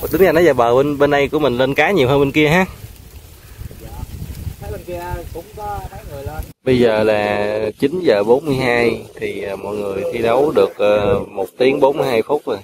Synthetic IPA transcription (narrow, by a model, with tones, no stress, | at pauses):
ɗ̪ɨ˨˦ŋzaː˨˧˩nɔ˨˦zaː˨˩ɓəː˨˩ɓe˧nɓe˧nɗa˧jku˧˩əmï˨˩ŋ̟le˧nkaː˨˦ɲi˨˩əwɦəː˧nɓe˧nki˧əɦaː˨˦˥ | kʊ˨˧˥ŋ͡mkɔ˧aː˨˦jŋɨ˨˩jlə˧ɓə˧jzəː˨˩laː˨˩t͡ɕï˨˦nzəː˨˩ɓo˨˦nmɨ˧əjɦaː˧jt̪ʰiː˨˩˨mɔ̰˧˨jŋɨ˨˩əjt̪ʰi˧ɗə˨˦wɗɨ˨˩ək̚ʔəː˧mo˨˩t̚t̪i˨˦əŋɓo˨˦nmɨ˧jɦaː˧jfʊ˦˥k͡p̚zo˨˩j